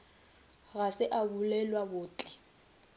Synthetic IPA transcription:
ɣasɪʔabulɛlwabʊːt͡ɬʼɛ̥

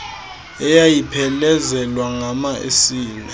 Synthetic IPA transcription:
ɛjajipʰɛlɛzɛlwaŋamaʔḛsiːnɛ

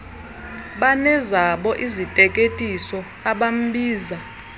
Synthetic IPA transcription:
ɓanɛzaɓɔʔizitʼɛkʼetʼisɔ | aɓam̩ɓiːza

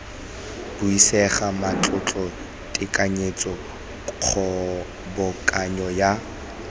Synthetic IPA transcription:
bʊisɛχamat͡ɬʼʊt͡ɬʼɔ | tʼɪkʼaɲet͡sʼɔ | k͡xʰɔ | bʊkʼaɲɔja

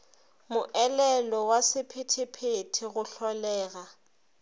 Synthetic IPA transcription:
mʊʔɛlɛlɔwasɪpʰetʰɪpʰetʰɪɣʊɬɔlɛːɣa

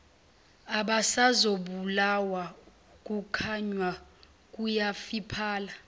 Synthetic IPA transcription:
aɓasazoɓulawa | k̬ʼukʰaɲwa | k̬ʼujafipʰaːla

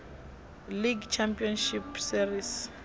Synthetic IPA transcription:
liɡt͡ʃʰampʼiɔnʃipsiɾis

